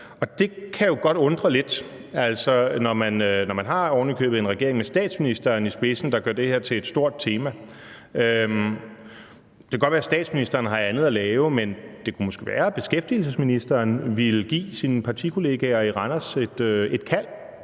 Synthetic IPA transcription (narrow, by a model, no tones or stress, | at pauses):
ɒ̽d̥e̝kʰæjo̝ɡ̥ɒ̽d̥ɔ̽nd̥ʁɐle̝d̥ | æl̰sɒnɒmænnɒmænɦɑ̈ɒʊnəkʰø̰ːb̥̩ˠe̝nʁɛɡe̝ɐeŋmesd̥ɛ̰ːd̥sminisd̥ɐːnisb̥e̝sn̩d̥ɑ̈ɡ̥ɶɐd̥e̝heɐ̰t͡sʰe̝le̝d̥sd̥o̝ɐ̰d̥̚t͡sʰe̝ːmæ | ø | d̥e̝kʰæɡɒ̽d̥ʋæːɐsd̥ɛ̰ːd̥sminisd̥ɐːnɦɑ̈ænð̞̩ˠælɛːʊəmend̥e̝kʰumɒ̽sɡ̥e̝ʋæ̰ːɐb̥e̝sɡ̥efd̥iːl̩səsminisd̥ɐːnʋilɡ̥ḭːsinəpʰɑ̈t͡sʰikʰo̝le̝ːɡ̥æɐiʁɑnæse̝d̥øe̝d̥kʰæl̰